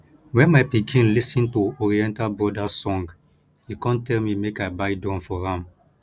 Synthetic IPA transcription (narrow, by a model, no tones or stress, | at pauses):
wɛ̃nmaɪpikʰĩnlisĩntuɔɹiɛ̃ntalbɹɔdasɔ̃ŋɡ | hikãntɛlmimekaɪbaɪdɔ̃nfɔhãm